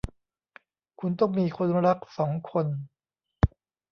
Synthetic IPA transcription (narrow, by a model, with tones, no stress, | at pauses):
kʰu˧nt̪ɔ˥˩ŋmiː˧kʰo˧nɾa˦˥k̚sɔː˩˦ŋkʰo˧n